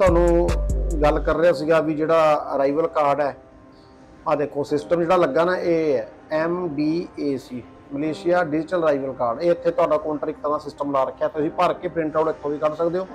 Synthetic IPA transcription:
t̪ʊaːnũːɡəlkəɾːeaːsiːɡaːbiːd͡ʒeːɽaːɾaːɪʋəlkaːɾɖɛː | ãːd̪eːkoːsɪsʈəmd͡ʒeːɽaːləɡːaːnaːʔeː | ɛːmbiːeːsiː | məleːʃɪjaːɖɪd͡ʒʈəlɾaːɪʋəlkaːɾɖeːɪt̪ʰːeːt̪ʊaːɖaːkoːɳʈəɾɪk̚t̪əɾãːsɪsʈəmlaːɾəkʰejaːt̪ʊsĩːpəɾkeːpʰɾɪ̃ɳʈaːɽɪkʰːõːʋiːkəɽsəkd̪eːoː

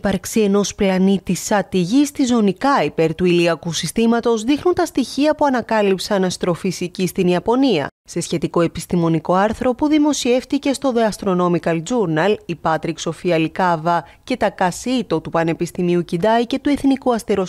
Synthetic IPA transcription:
ipɐɾksie̞no̞splɐnit̪isɐt̪iʝist̪izo̞nikɐipe̞ɾt̪uiliɐkusist̪imɐt̪o̞zðixnunt̪ɐst̪içiɐpuɐnɐkɐlipsɐnɐst̪ɾo̞fisicist̪iniɐpo̞niɐ̰ | se̞sçe̞t̪iko̞e̞pist̪imo̞niko̞ɐɾθɾo̞puðimo̞sie̞ft̪ice̞st̪o̞ðeɐst̪ɾo̞no̞mikɐld͡zuɾnɐlipɐt̪ɾikso̞fiɐlikɐvɐce̞t̪ɐkɐsit̪o̞t̪upɐne̞pist̪imiucid̪ɐjce̞t̪ue̞θnikuɐst̪eɾo̞s

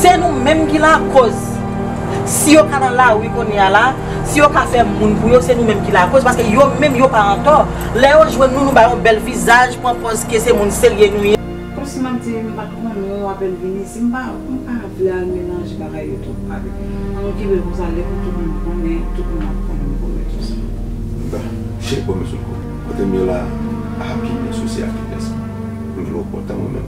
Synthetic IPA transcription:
senũmɛ̃mkilakoz | sijokanɐ̃lawikõnala | sijokafɛmũnpujosenũmɛ̃mkilakozpaskejomɛ̃mjopaɐ̃kɔ | lɛjoʒwɛ̃nũnũbajɔ̃bɛlvizaʒpuãkɔzkesemũnseljenũje | kɔmsimatimamamĩapɛlvinĩsim̩ba | m̩kaavlealmelãʒibaɡajotua | ãnɔ̃kibekɔ̃s̬alɛkũt̪umũnũkɔ̃nɛ̃tut̚mũna̰pkɔ̃nɛ̃mɛ̃kɔmɛ̰̃tusi | ba | ʒekɔmesṵkɔ | kɔtemĩola | apinesosja̰lkikɛ̃s | ũd͡ʒunõ̰pɔ̰t̪ãmɛ̰̃mɛ̰̃m

